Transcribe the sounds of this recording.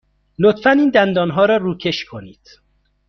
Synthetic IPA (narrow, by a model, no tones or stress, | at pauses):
lot̪fæniːnd̪ænd̪ɒːnɦɒːɾɒːɾuːcʰe̞ʃkʰo̞niːd̪̥